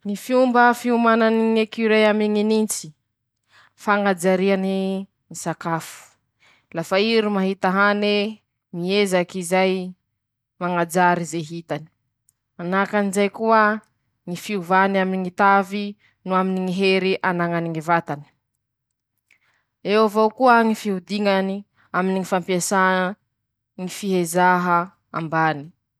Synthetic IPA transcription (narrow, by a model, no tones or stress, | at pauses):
ŋifiumbəfiumananiŋekiɾeamiŋinint͡si̥ | faŋad͡ʒaɾiani | misakafu̥ | lafaiɾimaɦit̪aɦane | miezakizaj | maŋad͡ʒaɾizeɦit̪ani̥ | anakanizajkuə | ŋifiuvaniaminiŋit̪avi | nuaminiŋiɦeɾiʔanaŋaniŋivat̪ani̥ | ewavokuəŋifiɦud̪iŋani | aminiŋifampiasa | ŋifiɦezaɦə | a̰mbani̥